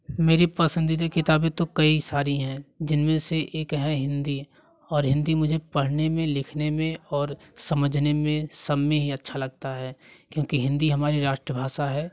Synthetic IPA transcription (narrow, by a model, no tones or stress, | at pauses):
meːɾipɐsə̃nd̪id̪ekɪt̪aːbẽt̪okɐisaːɾiɦɛ̃d͡ʒɪnmẽseʔeːkɦɛɦɪ̃nd̪i | ɔːɾɦɪ̃nd̪imʊd͡ʒʱepɐɽ̤nemẽlɪkʰnemẽɔːɾsɐməd͡ʒʱnemẽsɐbmẽɦiɐtːʃʰalɐɡ̚t̪aɦɛːkjõːkiɦɪ̃nd̪iɦɐmaːɾiɾaːʃʈɾəbʱaːʃaɦɛː